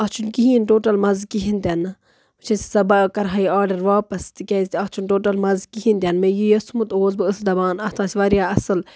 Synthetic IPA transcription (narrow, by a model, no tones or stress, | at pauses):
ɐt͡ʃʰunkiɦĩːnʈoːʈɐlmɐzkiɦint̪ʲɐnɨ | ɨt͡ʃʰɐsi̥sɐbakɐɾɦaiaːɾɖɐɾʋaːpɐst̪ikʲɛzʲt̪iɐt͡ʃʰunʈoːʈɐlmɐzkiɦĩnt̪ʲɐnmẽjijɐsumut̪oːzbɨɨsd̪ɐbaːnɐt̪ʰãːsʲiʋɐɾjaːɐsɨl